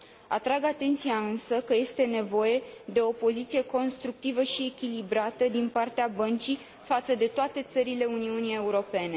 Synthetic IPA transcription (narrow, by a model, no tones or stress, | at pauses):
at̪ɾaɡat̪e̞nt̪sijaɨnsəkəje̞st̪e̞ne̞vo̞je̞d̪e̞o̞po̞zit̪sije̞ko̞nst̪ɾuk̚t̪ivəʃie̞kʲilibɾat̪əd̪inpart̪eabənt͡ʃi | fat̪səd̪e̞t̪oat̪e̞t̪səɾile̞uniunije̞uɾo̞pe̞ne̞